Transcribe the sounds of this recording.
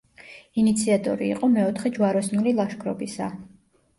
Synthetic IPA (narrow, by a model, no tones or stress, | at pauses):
init̪sʰiat̪ʼɔ̰ɾḭːqʼɔmɛɔt̪ʰχɛd͡ʒuwaɾɔsnulilˠaʃkʰɾɔbisa̰